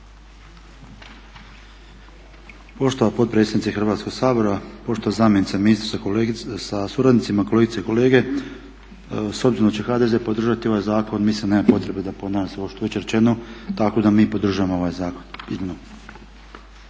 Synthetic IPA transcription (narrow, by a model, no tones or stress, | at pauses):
po̞ʃt̪oʋapo̞t̪̚pɾet̪st̪adnit̪exr̩ʋaːt̪sko̞ɡsaːbo̞ɾapo̞ʃt̪oʋazaːmjenit̪saminist̪ɾossasuɾad̪nit̪simakole̞ɡit̪seiko̞leːɡe̞ | so̞bziɾonat͡ɕt͡ʃe̞xaːd̪e̞zepo̞d̪ɾr̩ʒat̪io̞ʋajzaːko̞nmislinneːmapo̞t̪ɾe̞bed̪apod̪naːʒaseoʃt̪oʋe̞t͡ɕeɾet͡ʃe̞not̪ako̞d̪amiːpo̞d̪ɾr̩ʒujamoo̞ʋajzaːkonizmino